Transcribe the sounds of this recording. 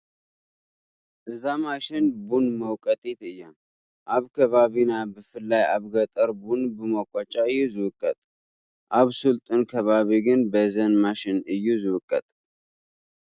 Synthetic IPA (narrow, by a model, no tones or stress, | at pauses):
ʔɨzamaʃɪnbunməwkʼət̪ʼet̪ɨjːam | ʔaβkʰəβaβinabəfɨlːaja̰βɡət̪ʼəɾbunbəmakʼat͡ʃʼːaɨjːuzɨwʊkʼːət̪ʼ | ʔaβsult̪ʼɨnkʰəβaβiɡɨnbəzənmaʃɪnɨjːuzɨwʊkʼːət̪ʼ